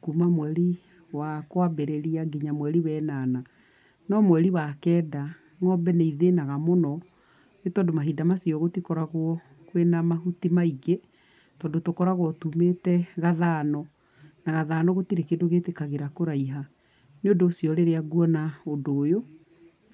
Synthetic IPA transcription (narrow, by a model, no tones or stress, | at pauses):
kuːmamwɛɾi | wakwabeɾeɾiaɡiɲamwɛɾiwɛnaːna | nɔmwɛɾiwakɛːda | ŋɔbɛneiðenaɣamonɔ | netɔːndomaɦidamasiɔɣotikɔɾaɣwɔ | kwenamaɦutimaiɡe | tɔːndotokɔɾaɣwɔtumetɛɣaðaːnɔ | naɣaðaːnɔɣotiɾekedoɣetekaɣeɾakoɾaiɦa | neondoːsiɔɾeɾeaɣuɔnaodoːjo